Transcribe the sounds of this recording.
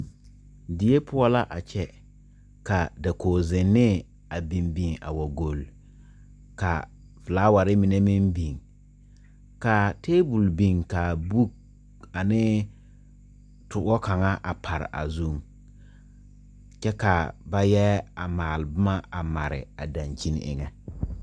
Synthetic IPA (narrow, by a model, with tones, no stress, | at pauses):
dɪ˨je˦pʰʊ˦ɔ˦la˦ʔa˨t͡ʃɛ˦ | ka˨da˨koː˨zɪ˨nːɪ˦ | a˨bi˨mbi˨ŋa̰˨wa˨ɡo˨l | ka̰˨ | vɪ˨laː˦wa˨ɾɪ˦mɪ˨ne˦mi˦mbi˨ŋ | ka˨tʰeː˦bu˨lbi˨ŋka˨bu˦k̚ | a˨nɪ˦ | tʊ˨˦ɔ˦ka˨ŋa˦ʔa˨pʰa˨ɾɪ̰˨ʔa̰˨zu˦˨ŋ | t͡ʃɛ˦ka˨ba˦jɛ˦a˨maː˨lɪ˨bʊ˦ma˦a˨ma˨ɾɪ̰˨a˨da˨nt͡ʃi˦n̰˦ʔɪ̰˦ŋɛ˦